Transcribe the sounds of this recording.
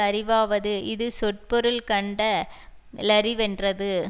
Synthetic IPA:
ɐɾɪʋaːʋɐðɯɪðɯsɔʈ̚pɔɾɯlkɐɳɖɐ | lɐɾɪʋɛndrɐðɯ

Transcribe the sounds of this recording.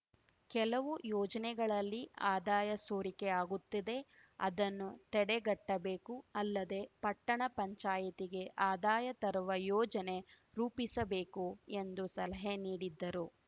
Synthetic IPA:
kɛlɐʋujɔːd͡ʒɐnɛɡɐɭɐlːiaːd̪aːjɐsoːɾikeaːɡut̪ːid̪e̞ɐ̰d̪ɐnːut̪ɛɽɛɡɐʈːɐbeːkuɐlːɐd̪e̞pɐʈːɐɳɐpɐɲt͡ʃaːjɐt̪iɡe̞ʔaːd̪aːjɐt̪ɐɾuʋɐjɔːd͡ʒɐne̞ | ɾuːpisɐbe̞ːkue̞nd̪usɐlɐɦeniːɽid̪ːɐɾu

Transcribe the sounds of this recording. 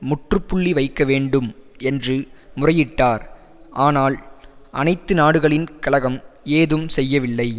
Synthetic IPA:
mʊʈrɯpːʊɭːiʋɐɪkːɐʋeːɳɖɯmɛndrɯmʊrɐjɪʈːaːɾ | ʔaːnaːlʔɐ̰nɐɪt̪ːɯnaːɽɯɣɐɭɪnkɐlɐɣɐmeːðɯmsɛjːɐʋɪlːɐɪ

